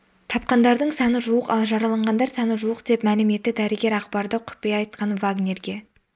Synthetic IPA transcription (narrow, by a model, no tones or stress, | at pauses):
t̪ʰɑp̚qɑnd̪ɑɾd̪əɴsɑnəʒuəqɑlˠʒɑɾɑlˠɑɴʁɑnd̪ɑɾsɑnəʒuəqd̪e̞pmælɪme̞t̪ːɪd̪æɾɪɡʲe̞ɾɑqbɑɾd̪əqʰʊ̥pejɑjt̪̚qɑnvaɡnʲe̞ɾɡʲe̞